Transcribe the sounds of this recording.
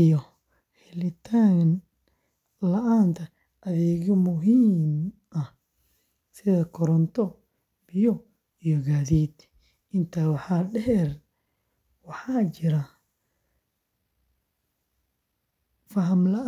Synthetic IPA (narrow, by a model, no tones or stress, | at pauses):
jɔ | hɛlɪt̪ʰaːn | lɐʔaːnt̪ʰɐ | ʔːðɛːɣɔmʊɦiːm | ɐh | sɪðɐkʰɔɾɔnt̪ʰɔ | b̥ɪjɔ | ijɔɡaːðiːd̪ | ʔɪnt̪ʰaːwɑħaːɖɛɦɛr | wɑħɑːt͡ʃɪɾa | fɐɦɐmlɐʔ